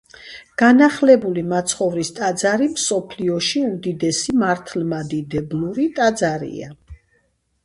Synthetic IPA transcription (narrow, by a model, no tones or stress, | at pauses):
ɡ̥anaχlɛbulimat̪sʰχɔvɾist̪ʼad̪zaɾimsɔpʰliɔʃiumd̪id̪ɛsimaɾt̪ʰlmad̪id̪ɛblˠuɾit̪ʼad̪zaɾḭa̰